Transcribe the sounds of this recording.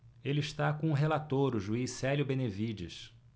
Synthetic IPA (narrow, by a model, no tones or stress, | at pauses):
elɪiʃt̪akõʊɦelat̪oɾʊʒuisɛljʊbẽnevid͡ʒḭs